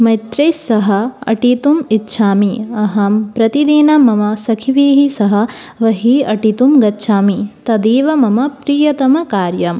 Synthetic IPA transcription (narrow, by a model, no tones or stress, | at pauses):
mɐjt̪ɾeːsɐɦɐɐ̰ʈit̪umitːʃʰaːmiɐɦɐmpɾɐt̪id̪iːnɐmɐmɐsɐkʰiʋiːɦisɐɦɐ | ʋɐɦiɐʈit̪umɡɐtːʃʰaːmit̪ɐd̪iːʋɐmɐmɐpɾiːjɐt̪ɐmɐkaːɾjɐm